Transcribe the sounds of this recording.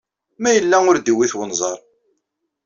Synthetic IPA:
mæjəlːæʊɾd̪iwiθwənzˤɑɾˤ

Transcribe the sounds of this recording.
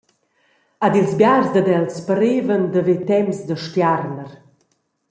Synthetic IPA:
ad̪ilzbjarzd̪əd̪ɛlspəɾevənd̪əvet̪ɛmsd̪əʃt̪jaɾnəɾ

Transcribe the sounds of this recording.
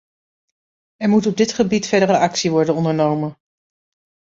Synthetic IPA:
ɛɹmutɔb̚dɪtχəbitfɛɹdərəɑksiʋɔɹdənɔndəɹnowmən

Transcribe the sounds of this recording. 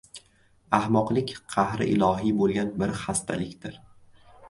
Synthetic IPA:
ahmɒqlˠɪkʲqʰɑhɾɪ̰ʔɪlˠɒɦibolˠɡʲanbɪɾχast̪ʰa̰lɪkʲt̪ɪɾ

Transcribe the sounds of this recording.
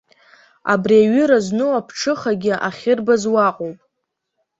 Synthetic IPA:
a̰briaɥɪɾaznɨwapʰʈ͡ʂʰɨχaɡʲɪʔaχʲɪrbazwaqʼowpʼ

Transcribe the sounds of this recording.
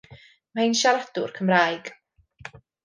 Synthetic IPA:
mainʃalad̥ʊ̰rkʰəmraːjɡ̥

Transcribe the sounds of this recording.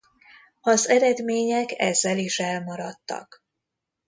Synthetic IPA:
ɒzɛɾɛd̪meːɲɛkɛ̰zːɛliʃɛlmɒɾɒt̪ːɒ̰k

